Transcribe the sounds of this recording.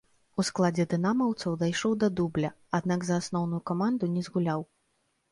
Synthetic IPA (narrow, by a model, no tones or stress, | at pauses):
usklˠad͡zʲɛd̪ɨnamɐwt̪sɐwd̪ajʂɔwd̪ɐd̪ublʲɐ | ad̪naɡzɐːsnɔwnujukamand̪unʲɛzɣulʲaw